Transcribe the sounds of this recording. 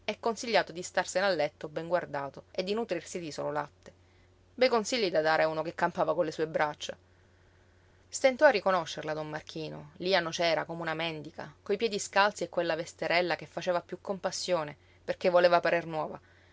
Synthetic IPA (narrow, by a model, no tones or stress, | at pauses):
ɛkːonsiʎːaːt̪od̪ist̪arsenalːɛt̪ːobɛŋɡward̪aːt̪oed̪ːinut̪ɾirsid̪iso̰ːlola̰t̪ːe̥ | bɛjkonsiʎːid̪ad̪aːɾeauːnokekːampaːvakonlesuːebɾat͡ʃːa | st̪ent̪ɔarːikonoʃːerlad̪omːark̟ʰiːno̰lianot͡ʃɛːɾakomeunamɛnd̪ikakojpjɛːd̪iskalt̪siekːwelːavest̪eɾɛlːakefːat͡ʃeːvapjukːompasːjoːne | perk̟evːoleːvapaɾernwɔːva